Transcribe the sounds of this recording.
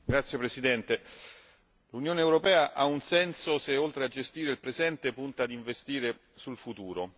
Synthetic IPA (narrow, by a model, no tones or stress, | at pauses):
ɡɾat̪sjepɾesid̪ɛnt̪e | lunjoːneːwɾopɛːaʔaunsɛnsoseolt̪ɾead͡ʒest̪iːɾeilpɾezɛnt̪epunt̪ad̪iɱvest̪iːɾe | sulfut̪uːɾo